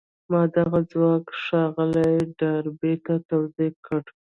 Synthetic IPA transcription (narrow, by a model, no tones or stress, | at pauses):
mɑd̪aɣad͡zwɑkʂɑɣəlajɖaɾbet̪at̪awzekʰəɽ